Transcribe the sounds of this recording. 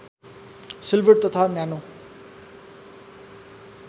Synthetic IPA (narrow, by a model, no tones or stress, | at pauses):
silʋəʈ̚t̪ʌt̪ʰanjano